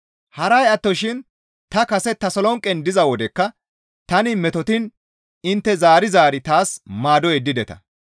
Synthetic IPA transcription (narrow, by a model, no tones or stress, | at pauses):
hɐɾɐjɐt̪ːɔʃɪn | t̪ɐkɐsɛt̪ːɐsɔlɔŋkʼɛnd̪ɪzɐwɔd̪ɛkːɐ | t̪ɐnɪmɛt̪ɔt̪ɪn | ɪnt̪ːɛzaːɾɪzaːɾɪt̪aːsmaːd̪ɔɛd̪ːɪd̪ɛt̪ɐ̥̰